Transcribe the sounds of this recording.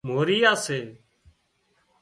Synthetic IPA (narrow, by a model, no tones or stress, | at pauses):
moːɾiːjaːseː